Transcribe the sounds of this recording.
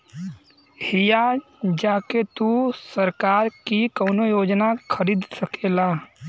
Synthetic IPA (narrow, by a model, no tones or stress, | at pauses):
hijad͡ʒaːket̪usəɾkaːɾkikɔːnojoːd͡ʒnakʰəɾiːd̪səkʰelaː